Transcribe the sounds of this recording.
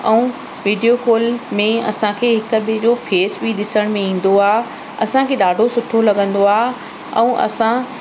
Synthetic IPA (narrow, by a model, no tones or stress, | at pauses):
ɛ̃ũː | ʋiːɖijokoːlmẽɐ̰sãkʰeːɦɪkʊ̆ɓɪd͡ʑofeːsbiɗɪsəɽ̃mẽĩːn̆d̪oaːɦ | ɐsãkʰeːɗaːɖʱosʊʈʰolɐɠə̃nd̪oaːɦ | ɛ̰̃ːʔɐ̰sã